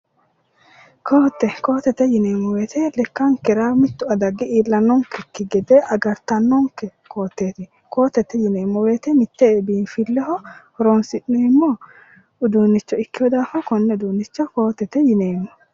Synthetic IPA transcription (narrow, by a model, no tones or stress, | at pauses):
kʰoːt̪ːɛkoːt̪ːɛt̪ɛjɪneːmːɔweːt̪ʰɛlɛkːɐŋkɛɾamɪt̪ːʊɐd̪ɐɡːɪiːlːɐnːɔŋkɛkːɪɡɛd̪ɛʔɐɡɐɾt̪ɐnːɔŋkɛkʰo̞ːt̪ːeːt̪ɪ | ko̞ːt̪ːɛt̪ɛjɪneːmːɔweːt̪ɛmɪt̪ːebiːnfɪlːɛhɔhɔɾɔnsɪnːeːmːɔ | ʊd̪uːnːɪt͡ʃːɔɪkːɪjɔd̪aːfɔkɔnːɛd̪uːnːɪt͡ʃːɔko̞ːt̪ːɛt̪ɛjɪneːmːɔ